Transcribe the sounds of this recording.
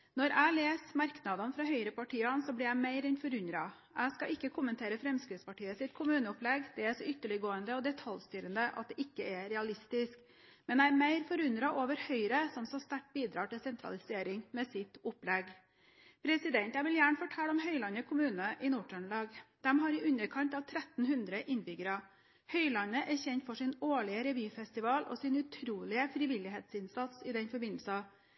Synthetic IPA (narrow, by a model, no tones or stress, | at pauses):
nɔɾæɪleːsmɑɾknɑd̪ɑnfɾɑhœʏɾəpʰɑʈʰiːɑnsɔblɪɾæɪmæɪɾɛnfɔɾʉnɾɑ | æɪskɑʔɪkːəkʰʊmːənt̪eːɾəfɾɛmskɾɪt̪spɑʈiːəsɪt̪kʰʊmʉːnəʊplɛɡd̪̥ɛæʂɔʏt̪ːəɭɪɡoːənd̪əɔd̪ɛt̪ʰɑlst̪yːɾənd̪əʔɑ̰t̪̚d̪ɛʔɪkːəɛɾɛɑlɪst̪ɪsk | mɛnæɪɛɾmæɪɾfɔɾʉnd̪ɾɑʔoːʋəɾhœʏɾəsɔmt̪sɔst̪æʈ̚biːd̪ɾɑːʈɪlsɛnt̪ʰɾɑ̰lɪseːɾɪŋmɛːsɪt̪ʊplɛɡ | pʰɾɛsɪd̪ɛnt̪æɪʋɪljæːɳəfɔʈʰɛlːɔmɦœʏlɑnəkʰʊmʉːnəʔɪnuːʈʰœɳlɑːɡd̪̥ɛmɦɑɾɪʔʉnəɾkʰɑnt̪ɑʋt̪ʰɾɛt̪n̩hʉnd̪ɾəʔɪnbʏɡəɾɑ | hœʏlɑnəʔæɾçɛnt̪fɔʂɪnoːɭɪəɾɛʋyːfɛst̪ɪʋɑːlʔɔ̰sɪnʉt̪ʰɾuːlɪəfɾɪʋɪlɪɦeːt̪sɪnsɑt̪sɪd̪ɛnfɔɾbɪnl̩sɑ